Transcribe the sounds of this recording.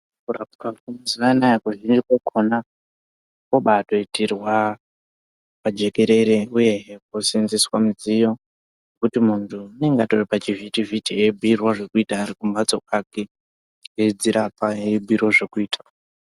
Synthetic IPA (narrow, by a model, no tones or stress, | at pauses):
kurapukakumaziʋanajakuʒind͡ʒikokʰona | koɓato̞itirwa | pad͡ʒe̞ke̞ɾe̞ɾeuje̞ɦek̚usinziswamuzijo̞ | nekutimuntʰune̞ŋɡatoripat͡ʃivitivitiebʱuirwaʐe̞kuitaːɾikumbat͡so̞kake | ed͡ziɾapaebʱuirwaʐekuiːtʰḁ